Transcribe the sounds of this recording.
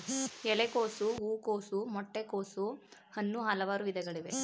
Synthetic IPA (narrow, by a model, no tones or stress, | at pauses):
ɛlekoːsuuːkoːsumɔʈːekoːsuhɐnːuɦaːlɐʋaːɾuʋid̪ʱɛɡɐɭiʋe